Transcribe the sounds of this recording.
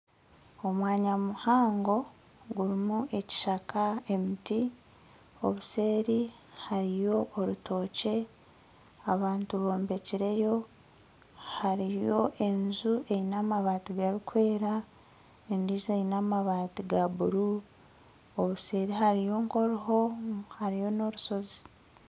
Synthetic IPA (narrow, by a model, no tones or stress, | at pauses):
o̞mwaːɲamuhaːŋɡo̞ | ɡuɾimuʔe̞ci̥ʃakae̞miti | o̞̰βuse̞ːɾi | haɾijo̞ʔːɾutʰo̞ːce̞ | aβaːntuβo̞ːmbe̞ciɾe̞jo̞ | haɾijo̞ʔe̞nzuʔe̞jinaːmaβaːtiɡaɾikwe̞ːɾa | endizejinaːmaβaːtiɡaβuɾu | oβuse̞ːɾiɦaɾijo̞ːŋko̞ɾiɦo̞haɾijo̞no̞ɾuso̞zi̥